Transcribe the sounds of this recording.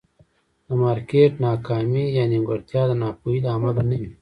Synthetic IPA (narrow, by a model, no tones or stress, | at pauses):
d̪̥ɐmaːɾkeːʈnaːkaːmijaːniɡɐɾt̪jaːd̪ɐnaːpuid̪aːmɐlnɐ